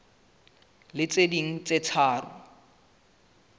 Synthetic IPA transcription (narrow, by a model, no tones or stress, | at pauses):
lɪt͡sediŋ̩t͡sʼet͡sʰaːrʊ̰